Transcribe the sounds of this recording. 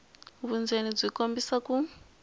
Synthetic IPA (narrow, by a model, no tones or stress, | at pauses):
βund͡zenib͡ʐʷikombisaku